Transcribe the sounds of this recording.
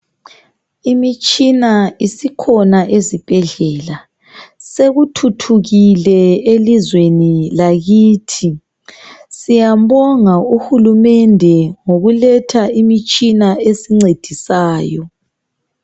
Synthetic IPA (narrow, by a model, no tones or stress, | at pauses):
imit͡ʃʼinaisikʰɔnaʔezib̥ʱɛɮɛːla | seɣutʰutʰuɣilɛelizwenilaɣiːtʰi | sijabɔŋauhulumɛndʱɛŋoɣulɛtʰaimit͡ʃʼinaesiŋ͡ǀed̥ʱisaːjɔ